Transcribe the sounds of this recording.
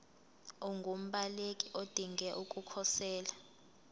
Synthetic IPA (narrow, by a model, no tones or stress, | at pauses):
ɔŋɡʱum̩ɓalekʼiʔod̥ʱiŋɡɛʔukʼukʰɔsɛːla